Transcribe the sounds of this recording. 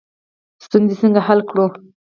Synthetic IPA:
st̪unzisəŋɡahalkɽo

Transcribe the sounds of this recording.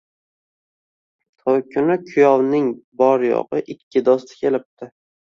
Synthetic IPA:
t̪ʰɒjkʲʰʊnɪkʰʊjɒwnɪŋbɒɾjɒ̰ʁɨʔɪkʲʰːɪd̪ɒst̪ʰɪ̥kʲʰe̞lɪp̚t̪ɪ

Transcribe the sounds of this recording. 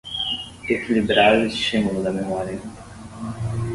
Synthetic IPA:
ekilibɾaɾeʃimulod̪ɐmemɔɾjɐ

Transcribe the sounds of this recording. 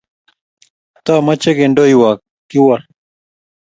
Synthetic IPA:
t̪aːmɐt͡ɕeɡeɳɖojwaːk̚ | kiwɐɾ

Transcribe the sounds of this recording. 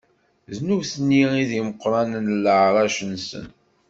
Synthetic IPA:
znuvθənːiiðiməqːɾˤɑnnlːəʕɾˤɑʃənsə̰n

